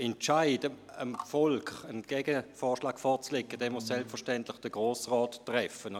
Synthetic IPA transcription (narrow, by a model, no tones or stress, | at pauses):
ɛnt͡ʃaɪdə | əmfɔlkχənɡ̥ɛɡəfɔːʃlaːkfɔt͡slekːəd̥ɛːmussɛlpfəɐʃtɛntlɪχd̥əɡ̥ʁoːsʁɔːtːʁɛfən